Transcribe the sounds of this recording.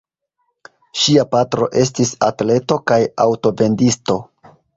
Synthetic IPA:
ʃiapatɾo̞̰ʔe̞s̬tisatle̞to̞kajawto̞be̞ndisto̞

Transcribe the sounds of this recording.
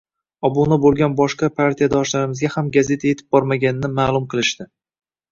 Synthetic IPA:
ɒbonɪbolˠɡʲanbɒʃqɑpʰaɾt̪ʰijad̪ɒʃlaɾɪmɪzɡʲahamɡaze̞t̪ʰaje̞t̪ʰɪ̥b̚bɒɾmaɡʲanɪnɪmaːlˠʊmqʰɨlˠɪʃd̪ɪ

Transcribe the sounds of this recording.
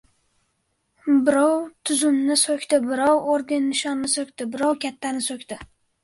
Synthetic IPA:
bɪɾɒwt̪ʰʊzʊmnɪsokʲt̪ɪbɪɾɒwoɾd̪ɪnːɪʃɒnːɪsokʲt̪ɪbɪɾɒwkʲʰat̪ʰːanɪsokʲt̪ɪ

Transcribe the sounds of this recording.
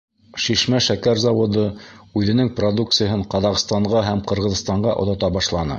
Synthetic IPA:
ʃiʃmæʃækæɾzɑwŏd̪ɤʉðɘ̆nɘŋprod̪uk̪̚sɨjaɦɤɴqɑðɑqst̪ɑɴʁɑɦæmqɤ̆ɾʁɤ̆ðst̪ɑɴɢɑʔŏ̰ðɑt̪ɑbɑʃlˠɑnɤ̰

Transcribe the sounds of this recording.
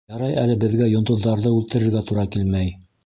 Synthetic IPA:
jɑɾɑjælɘbɘ̆ðɡæjŏnd̪ŏðːɑɾðɤʉlt̪ɘ̆ɾɘ̆ɾɡæt̪uɾɑkilmæj

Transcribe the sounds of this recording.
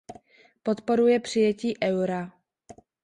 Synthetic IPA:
po̞t̪po̞ɾujɛpr̝̥ɪjɛciːʔɛwɾa

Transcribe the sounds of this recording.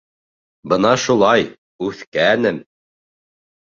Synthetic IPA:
bɤnɑʃulˠɑj | ʉθkænɘm

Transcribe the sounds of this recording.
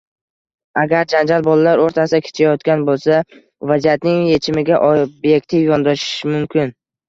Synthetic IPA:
aɡʲaɾd͡ʒand͡ʒalbɒlalaɾoɾt̪ʰasɪd̪akʲʰe̥t͡ʃʰajɒt̪kʲanbolˠsa | vazijat̪nɪŋje̞t͡ʃʰɪmɪɡʲaʔɒbje̞k̚ʲt̪ʰɪfjɒnd̪ɒʃɪ̥ʃmʊmkʲʰɪn

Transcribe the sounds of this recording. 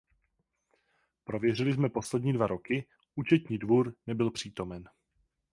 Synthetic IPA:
pɾovjɛr̝ɪlɪzmɛpo̞slɛdɲiːdvaɾo̞kɪ | ʔut͡ʃɛt̪ɲiːdvuːɾnɛbɪlpr̝̥iːt̪o̞mɛn

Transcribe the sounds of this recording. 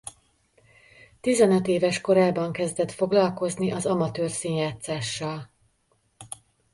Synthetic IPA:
t̪izɛnøt̪eːvɛʃko̞ɾaːbɒŋkɛzd̪ɛt̪fo̞ɡlɒlko̞zniʔɒzɒmɒt̪øːrsiːɲjaːt̪saːʃːɒl

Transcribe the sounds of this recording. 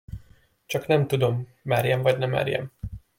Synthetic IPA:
t͡ʃɒknɛmt̪ud̪o̞mːɛɾjɛmvɒɟnɛmɛ̰ɾjɛ̰m

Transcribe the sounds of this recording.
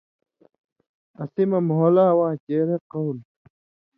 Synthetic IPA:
ɐsimɐmɦolaːwãːt͡ɕeːɾeqowl

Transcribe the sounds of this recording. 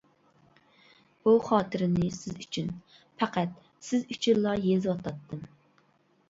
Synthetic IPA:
b̥uχɑːt̪ʰɨɾɪnɪsɪzyt͡ʃʰyn | pʰæqæt̪̚ | sɪzyt͡ʃʰiɾlˠɑjezwɑt̪ʰɑt̪ːɨm

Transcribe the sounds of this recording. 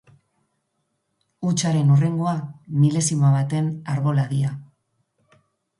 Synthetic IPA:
ut͡ʃaɾe̞nure̞ŋɡo̞amile̞simaβ̞at̪e̞naɾβo̞laðia

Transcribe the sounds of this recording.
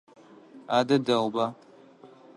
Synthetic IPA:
adədawba

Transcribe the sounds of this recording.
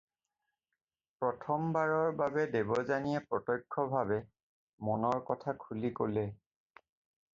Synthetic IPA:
pɹɔtʰɔmbaɹɔɹbabɛdebɔzanijɛpɹɔtɔjkʰːɔbʱabɛ | mɔnɔɹkɔtʰakʰulikolɛ

